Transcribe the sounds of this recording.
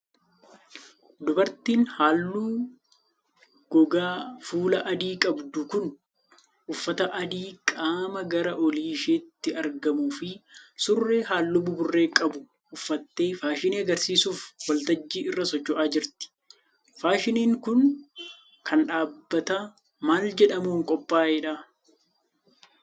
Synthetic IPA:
d̪ɔbɐɾt̪iːnhaːlːuː | ɡ̥ɔɡaːfuːlɐʔɐd̪iːkʼɐbd̪uːkʊn | ʔʊfːɐt̪ɐʔɐd̪iːkʼaːmɐɡɐɾɐʔɔliːʃeːt̪ːɪɐɾɡɐmuːfɪsʊrːe̞ːɦaːlːʊbʊbʊrːe̞ːkʼɐbʊ | ʔʊfːɐt̪ːe̞ːfaːʃɪniɐɡɐɾsiːsuːfwɐlt̪ɐd͡ʒːiːɪrːɐsɔt͡ʃːɔʔaːd͡ʒɪɾt̪ɪ̥ | faːʃɪniːŋkʊn | kʰɐnᶑaːbːɐt̪a | maːld͡ʒɛᶑɐmuːŋkʼɔpʼːaːʔɛᶑa

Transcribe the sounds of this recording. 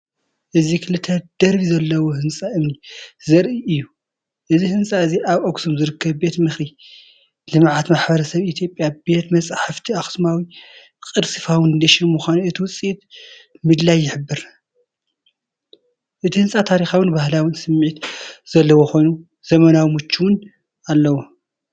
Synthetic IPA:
ʔɨzikʰɨlɨt̪ʰɐd̪̥ɐɾβizɐlːɐwohɨnsʼaʔɨmnizɐɾʔiʔɨjːu | ʔɨzihɨnsʼaɨziʔaβʔoɡsumzɨɾɨkʰːɐβbe̞t̪mɨxɾi | lɨmʕat̪maħbɐɾɐsɐβit̪ʰjo̞pʼjabe̞t̪mɐt͡sʼaħɨft̪ʰiaxɨ̥smawi | kʼɨɾsɨfawɨnɨd̪ɐʃiɾmuxʷaniɨt̪ʰiwʊt͡sʼiʔit̪mɨd̪lajːɪħɨbːɨɾ | ʔɨt̪ʰihɨnsʼat̪ʰaɾixawɨnbahlawɨnsɨmːʕit̪z̥ɐlːɐwoxo̞jnu | z̥ɐmɐnawimɨt͡ʃːuwʊn | alːɐwo

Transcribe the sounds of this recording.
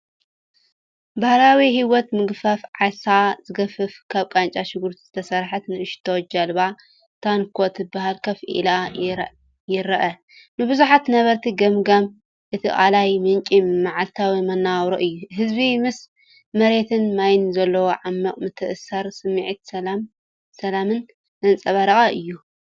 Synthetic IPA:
bahlawihiwɔt̪mɨɡfɐfʕasazɨɡɐfɨfkʰaβkʼant͡ʃʼaʃɪɡuɾt̪ʰizɨt̪ʰɐsɐɾħat̪nɨʔɨʃt̪ʰowd͡ʒɐlβa | t̪ʰankʰot̪ɨbaɦalkʰɐfʔḭla | jɪɾɐʔɐ | nɨbɨzuħat̪nɐβɐɾt̪ʰiɡɐmɡam | ʔɨt̪ʰiʔʼalajmɨnt͡ʃʼimaʕalt̪ʰawimɐnːawɾoʔɨjːuɦɨzbimɨs | mɐɾe̞t̪ʰɨnmajnzɐlːɐwoʕamːɐkʼmɨt̪ʰɨʔsɐɾsɨmːiʕit̪ɐlam | sɐlamɨn | zɐnt͡sʼɐβɐɾɐɣʼɐʔɨjːu

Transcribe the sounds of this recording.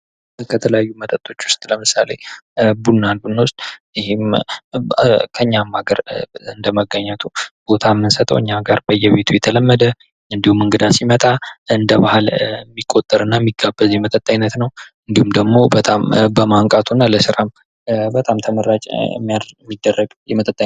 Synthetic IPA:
kʰət̪ʰələjajːumət̪ʼət̪ʼːo̞t͡ʃːwʊ̥st̪ʼləmɨsale̞bunːanbunːwʊst̪ʼjɪhim | kʰəɲːamːaɡəɾɨnd̪əməɡəɲːɛt̪ʰub̥o̞t̪ʰamːɨnsət̪ʼə̰wɨɲːaɡaɾbəjːɛβe̞t̪ʰujɛt̪ʰələmːəd̪ə | ɨnd̪ihumɨŋɡɨd̪asimət̪ʼaɨnd̪əβahalmːikʼːot̪ʼːəɾɨnːamːiɡːabːəzjɛmət̪ʼət̪ʼːaɲnːət̪nəwɨnd̪ihumd̪əɡmo̞bət̪ʼambəmaŋkʼat̪ʰunːaləsɨɾam | bət̪ʼamt̪ʰəməɾat͡ʃʼmːijamːid̪ːərːəɡjɛmət̪ʼət̪ʼːa

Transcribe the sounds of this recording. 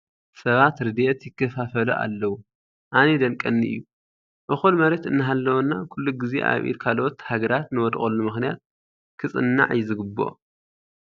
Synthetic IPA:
sɐβat̪ɾɨd̪ʔet̪jɪkːɐfafɐluʔa̰lːɐwu | ʔaned̪ɐŋkʼːɐnːiʔɨ̰jːu | ʔɨxulmɐɾet̪ɨnːɨɦalːɐwunːakʰulːuɡɨzḛʔa̰βʔḭɾkʰalot̪haɡɐɾat̪nɨwɔd̪xʼolːumɨxnijat̪̚ | kʰɨt͡sʼɨnːa̰ʕjɪzɨɡɨbːo̞̰

